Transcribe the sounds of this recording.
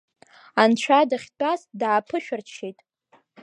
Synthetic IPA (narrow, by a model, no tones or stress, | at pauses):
ant͡ɕʷʰadaχʲdʼazdaːpʰɨʃᶣɪrt͡ʃʰejtʼ